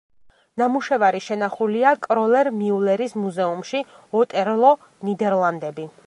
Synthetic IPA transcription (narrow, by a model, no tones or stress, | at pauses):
namuʃɛvaɾiʃɛnaχuliakʼɾɔlɛɾmiulɛɾismuzɛumʃi | ɔt̪ʼɛɾlˠɔ | nid̪ɛɾlˠand̪ɛbi